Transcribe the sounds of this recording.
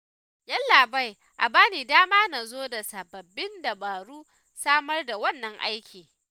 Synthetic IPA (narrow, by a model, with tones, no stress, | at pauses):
jɐ˦nlaː˨ba˦j | ʔa˨baː˦niː˨daː˦maː˦na˨zoː˦da˨sɐ˨bɐ˨bːɪ˦nda˨ɓaː˨ɾuː˦ | saː˦mɐ˦rda˨wɐ˦˨nːɐ˦ŋʔa̰˦jkʲʰiː˨